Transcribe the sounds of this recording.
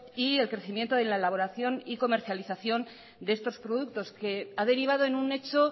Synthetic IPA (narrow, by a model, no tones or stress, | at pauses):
ie̞lkɾe̞θimje̞nt̪oðelaelaβo̞ɾaθjo̞niko̞me̞ɾθjaliθaθjo̞n | d̪est̪o̞spɾoðuk̚t̪o̞skeaðe̞ɾiβ̞að̞o̞e̞nune̞t͡ʃo̞